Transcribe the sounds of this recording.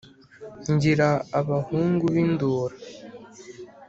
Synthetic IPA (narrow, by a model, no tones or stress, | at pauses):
ɲɟiɾaːβahuːŋɡuβinduːɾa